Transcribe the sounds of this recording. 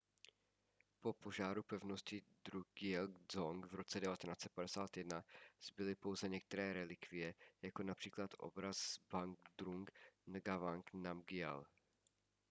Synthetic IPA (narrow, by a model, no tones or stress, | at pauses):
po̞po̞ʒaːɾupɛvno̞scɪd̪ɾuɡɪɛlzoŋɡvɾo̞t͡sɛdɛvat̪ɛnaːt͡sɛt̪̚padɛsaːt̪jɛdnaz̥bɪlɪpo̞wzɛɲɛk̚t̪ɛɾɛːɾɛlɪkvɪjɛjako̞napr̥iːklat̪ʔo̰bɾazbaŋɡd̪ɾuŋɡnɡavaŋknamɡɪɛ̰l